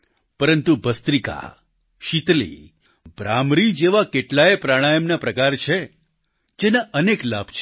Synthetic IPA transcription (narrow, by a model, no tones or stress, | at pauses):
pəɾənt̪ubəst̪ɾika̰ | ʃit̪lḭ | bɾamɾid͡ʒeʋakeʈlaepɾaɽ̃ajəmnapɾəkaɾt͡ʃʰe | d͡ʒenaʔənekla̰bʱt͡ʃʰ